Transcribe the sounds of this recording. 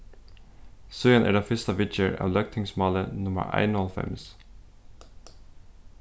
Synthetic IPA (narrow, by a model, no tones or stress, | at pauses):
sʉːənʔæ̰ːɖɑːfʏst̪əʋɪt͡ʃəɹʔɑ̰ːʋlœk̚t̪ʰɪŋsmɑːlənʊmə̰ɹʔæ̰ɪnɔlfɛ̰ms